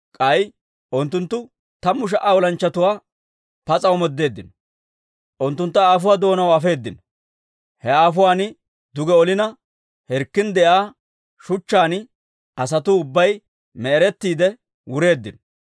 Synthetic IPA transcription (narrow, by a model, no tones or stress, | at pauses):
kʼɐj | ʔʊnt̪ːʊnt̪ːʊ | t̪ɐmːʊʃ̬ɐʔaːwɔlɐnt͡ʃːɐt̪ʊwaː | pɐt͡sʼɐwmɔd̪ːe̞ːd̪ːɪnɔ | ʔʊnt̪ːʊnt̪ːɐaːf̬ʊwaːd̪o̞ːnɐwɐfe̞ːd̪ːɪnɔ | hɛaːfʊwaːnɪ | d̪ʊɡɛɔlɪnɐ | hɛɾkːɪnd̪ɛʔaː | ʃʊt͡ʃːaːn | ʔɐs̬ɐt̪ʊʊbːɐj | mɛːɾɛt̪ːiːd̪ɛ | wʊɾe̞ːd̪ːɪnɔ